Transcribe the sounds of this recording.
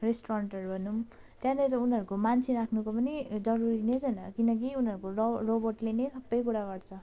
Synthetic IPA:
resʈoɾaɳʈʌrbʱʌnum | t̪jãd̪etʌunɦʌɾukomant͡sʰiɾakʰnukopʌnid͡zʌɾuɾinet͡sʰʌjnʌkinʌk̬iunɦʌɾukoroborʈlenʌjsʌbːʌjkuɾaɡʌrt͡sʰʌ

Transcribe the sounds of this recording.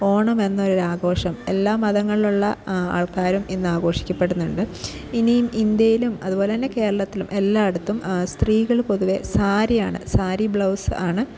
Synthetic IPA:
o̞ːɳɐme̞nːɐoɾoɾaːɡo̞ːʂɐme̞lːaːmːɐðɐŋːɐɭiluɭːɐa̰ːɭkaːɾumenːɨaːɣo̞ːʂi̥kʲːɐpːe̞ɽunːuɳɖɨ | inijmind̪jɐjilumɐðubo̞ːleɐnːeke̞ːɾɐɭɐt̪ːilumʔe̞lːaːeɽut̪ːumst̪riːɣɐɭko̞ðuʋe̞saːɾijaːɳɨ̰saːɾibɭɐwsɨaːɳɨ

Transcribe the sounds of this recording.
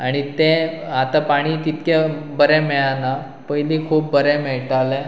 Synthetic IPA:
aɽ̃it̪ẽat̪apaɽ̃iːt̪it̪kebəɾɛ̃mɛɭana | pəjlikʰuːp̚bəɾɛmɛɭʈalɛ̃

